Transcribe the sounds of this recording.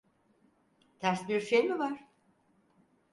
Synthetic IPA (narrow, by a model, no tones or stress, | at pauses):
t̪ʰæɾsbiɾʃejmivaɾ̥